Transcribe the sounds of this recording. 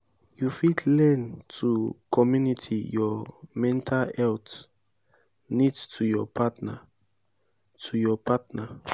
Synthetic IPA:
jufidlɛntʰukʰɔmjunitʰijɔmɛ̃ntʰalɛlt | nidstʰujɔpʰatnə | tʰujɔpʰatnə

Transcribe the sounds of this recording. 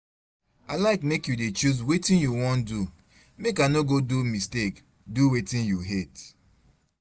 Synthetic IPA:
aɪlaɪkmekjudet͡ʃuzwetĩnjuwɔ̃ndu | mekanoɡodumistek | duwetĩnjuɦet

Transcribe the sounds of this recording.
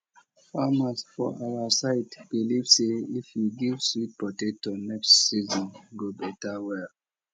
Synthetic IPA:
famasfɔ̰awasaɪtb̥ilivseifjiɡivswit̚pɔtetːunɛkstsizɔ̃nɡobɛtawɛl

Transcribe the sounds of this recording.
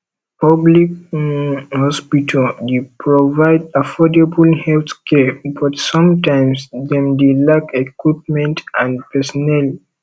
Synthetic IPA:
pʌblik | hɔspitʰəldepɹɔvaɪdafɔdebəlhɛlt̪kʰɛbɔtsɔ̃mtãɪ̃msdɛ̃mdelakekwip̚mɛ̃ntãndpɛsɔnɛli

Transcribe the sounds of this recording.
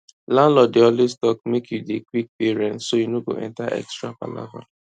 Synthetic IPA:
lãnlɔdeɔlestɔkmekʰjudekwik̚peɹɛ̃ntsojunoɡo̰ʔɛ̰̃ntaʔɛ̰kstɹapa̰la̰va̰

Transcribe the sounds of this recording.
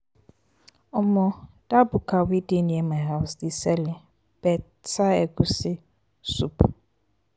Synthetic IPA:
ɔmɔ̃ | d̥abʊkʰawidinĩɛmãɦaʊsdisɛlɪ | b̥ɛ | tʰaɛɡusɪ | supʰ

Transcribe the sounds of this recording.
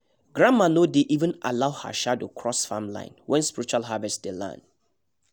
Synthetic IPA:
ɡ̥ɹãmmanodeʔivə̃na̰laʊha̰ʃadokʰɹɔsfamlã̰ɪ̃nwʔɛ̃nspiɹit͡ʃualɦavɛstdelã̰nd

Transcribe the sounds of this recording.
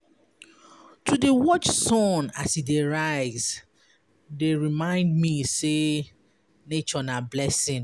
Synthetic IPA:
tʰudewɔt͡ʃsɔ̃nasideɹaɪz | deɹimãɪ̃ndmise | net͡ʃɔnablɛsɪ̃n

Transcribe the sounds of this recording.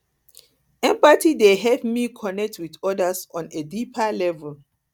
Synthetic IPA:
ɛ̃mpatideɦɛlpmikʰɔnɛk̚twidɔdasɔ̃nedipʰalɛvɛl

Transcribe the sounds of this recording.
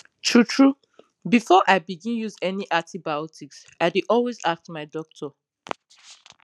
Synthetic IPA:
tʰɹutʰɹu | bifɔʔaɪbiɡĩnjuzɛniʔatibaɔtʰiks | aɪdiʔɔlwezak̚tmaɪdɔk̚tʰɔ

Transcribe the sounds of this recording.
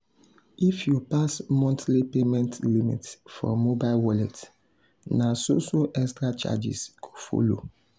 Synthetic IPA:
ʔifjupasmɔ̃ntlipemɛ̃ntlimḭtfɔ̰mobaɪlwɔlɛt | nasosoʔɛkstɹat͡ʃa̰d͡ʒḭskʰu̥fo̰lo̰

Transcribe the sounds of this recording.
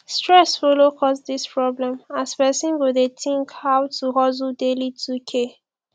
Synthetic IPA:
stɹɛsfolokʰɔsdispɹɔblɛ̃maspɛsĩnɡodetĩŋkhawtuɦɔzudelitʰukʰe

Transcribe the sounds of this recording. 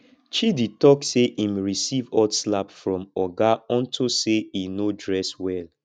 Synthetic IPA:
t͡ʃiditɔkseʔimɹisivɔdslapfɹɔ̃mɔɡaɔ̃ntʰuseinodɹɛswɛl

